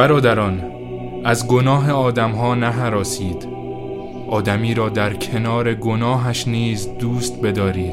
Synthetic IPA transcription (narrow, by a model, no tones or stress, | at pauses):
bæɾɒːd̪æɾɒːn | æzɡo̞nɒːɦe̞ɒːd̪æmɦɒːnæɦæɾɒːsiːd̪̥ | ʔɒːd̪æmiːɾɒːd̪æɾcʰe̞nɒːɾe̞ɡo̞nɒːɦæʃniːzd̪uːst̪be̞d̪ɒːɾiːd̪̥